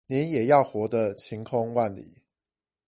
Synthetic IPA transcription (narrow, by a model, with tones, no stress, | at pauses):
nɛ˨˦njɛ˨˩jɑ˥˩ʊxwɔ˧˥d̪ə˧t͡ɕʰi˨˧˥ŋkʰʊ˥ŋwa˥˩nlḭ˨˩˦